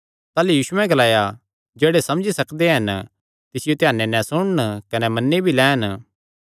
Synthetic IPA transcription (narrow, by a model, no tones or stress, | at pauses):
t̪aːlejuːsuɛ̃ɡɐlaːja | d͡ʒeːɽesɐ̃md͡ʒisɐkd̪eɦɐn | t̪ɪsɪjot̪ɪjaːnːenɛ̃sʊɽ̃nkɐnɛmɐnːebʱilɛːɦən